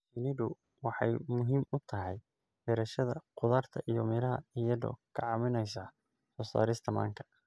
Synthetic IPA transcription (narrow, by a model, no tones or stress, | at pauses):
sɪnɪdʊ | wɑħɑjmʊɦiːmʊt̪ʰɐɦɛj | bɛɾɐʃɐðɐ̰qʊðɐːrt̪ʰɐʔijɔmɪɾɐɦɐ̰ijɐdɔ̰kʰɑʕɑmɪnɛjsa | sɔːsa̰ːɾɪst̪ʰɐma̰ːŋkʰɐ̥